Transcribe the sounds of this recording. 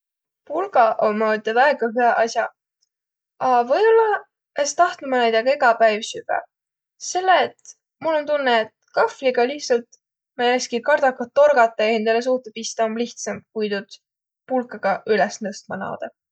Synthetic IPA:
pulɡɑʔomːot̪ʲɑd̪ɑeɡ̥ɑɦyɑʔɑsjɑ | ɑvɤjolːɑ | est̪ɑht̪lumɑnæjd̪ɑɡ̥ɑeɡɑpæjvsyv̥ɛ̰ | se̞lːet̪ | mulo̞nt̪unːeːt̪kɑfliɡ̥ɑliht̪sɑlt̪ | mɑjækskikɑrd̪̥ɑkɑt̪ːo̞rɡ̥ɑt̪ːˑeend̪ɑles̬uht̪epist̪ɑomliht̪sɑmkujd̪ud̪̥ | pulkˑɑɡ̥ɑʔylɛsnɤst̪mɑlɑ̰ːd̪̥ɑ

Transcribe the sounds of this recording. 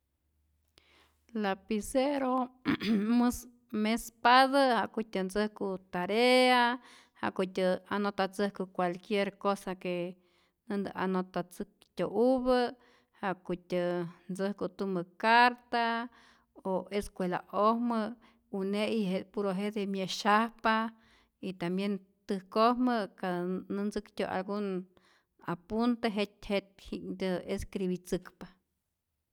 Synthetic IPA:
lapiseɾo | mɨs | mespaðəhaʔkutʲənd͡zɨhkut̪aɾea | ha̰ʔkut̪ʲəanot̪at͡sɨhkukʷalkjeɾkosake | nɨnd̪ɨʔa̰not̪at͡sɨk̚ | t̪ʲoʔuβə | haʔkut̪ʲənd͡zɨhkot̪umɨkaɾt̪a | oeskʷwela̰ʔohmə | uneʔihepuɾoɦeʔd̪emjaʃahpa | it̪ambjen | t̪ɨhkohmɨkanɨnd͡zɨkt̪ʲo̰ʔa̰lɡun | apunt̪eɦet̪ʲhet̪̚hikd̪ɨeskɾiβit͡sɨkpa

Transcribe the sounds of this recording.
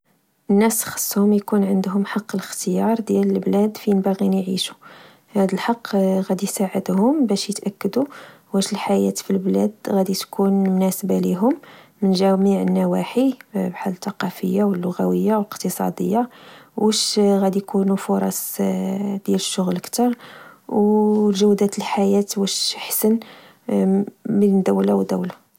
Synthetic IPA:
ʔənːæsxɑ̥sˤːhʊmjkunʕənd̪ɦʊmħɑqːələxt̪əjɑɾˤd̪jæləlblæd̪finbæɣinjʕiʃu̥ | hæd̪əlħɑqːɣæd̪isaʕəd̪hʊmbæʃjət̪ʔækːəd̪u | wæʃəlħajæt̪filblæ̰d̪ɣæd̪it̪kunmʊnæsəbaliɦʊmːənʒæmiʕənːæwaħibħalːət̪ːɑqɑfə̰jːawəlːʊɣæwəjːawləqt̪əsˤɑ̰d̪ə̰jːawæʃɣæd̪ijkunufʊɾˤɑ̰s | d̪jæləʃːʊɣləkt̪ɑɾˤwlʒæwd̪æt̪əlħajæt̪wæʃħsən | məlnd̪æwlawəd̪æ̰wla

